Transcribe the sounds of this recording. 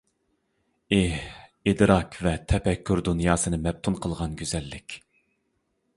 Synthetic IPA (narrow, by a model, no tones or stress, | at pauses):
ehid̪ɾɑkvɛt̪ʰɛpɛkʲʰːyɾd̪unjɑːsɨnɨmɛp̚t̪ʰunqʰəlˠʁɑnɡʲøzɛlːɪkʲ